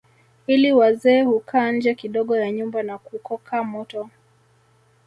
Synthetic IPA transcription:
iliwazɛːhukʰaːɲ̩d͡ʒɛkiɗɔɠɔjaɲumbanakukɔkʰamɔtɔ

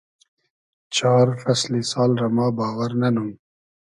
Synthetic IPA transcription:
t͡ʃɑːɾfɐslisɑːlɾamɑːbɑːwɐɾnɐnum

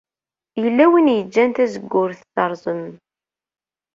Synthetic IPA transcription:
jəlːæwinjəd͡ʒːænt̪æzəɡːʊɾθθɑɾˤzˤən

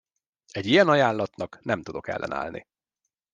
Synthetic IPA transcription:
ɛɟijɛnɒjaːnlɒt̪nɒknɛmt̪ud̪o̞kɛ̰lːɛ̰na̰ːlnʔḭ

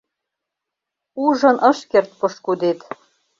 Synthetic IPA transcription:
uʒɤ̆nʔɤ̆ʃkert̪̚pɤʃkud̪et̪

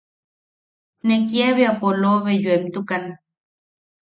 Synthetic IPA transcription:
nekjeβeapoloβejuemt̪ukan

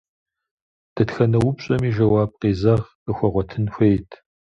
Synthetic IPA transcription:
d̥ɐtxɐnɐwʊpɕʼɐmiːʒɐwaːb̚qeːzɐʁ | əxʷɐʁʷɔtʰɨnxʷejtʰ

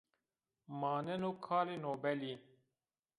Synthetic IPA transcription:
maːnɛnoːkʰaːlenoːbɛli

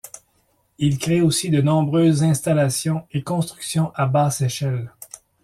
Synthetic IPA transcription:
ilkʲʁeosid̪ənɔ̃bʁøːzːɛ̃st̪alasjɔ̃ekɔ̃st̪χyksjɔ̃ʔabaːseʃɛl

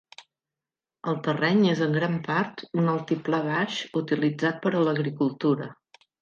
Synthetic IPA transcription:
əlˠt̪ərɛɲezəŋɡɾampaɾt̪unəlˠt̪iplaβ̞aʃut̪ilid͡zat̪̚pəɾələɣɾikulˠt̪uɾə

